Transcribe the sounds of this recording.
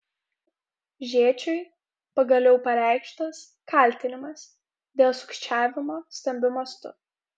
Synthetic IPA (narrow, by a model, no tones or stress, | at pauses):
ʒʲeːt͡ʃʲɔɪ | pɐɡɐlʲɛʊpɐɾʲæˑɪkʃt̪ɐs | kɐˑlʲˑt̪ʲɪnʲɪmɐs | d̪ʲeːlˠsʊ̥kʃʲt͡ʃʲæːʋʲɪmoːsʲt̪ʲɛmʲbʲʊmɐst̪ʊ̰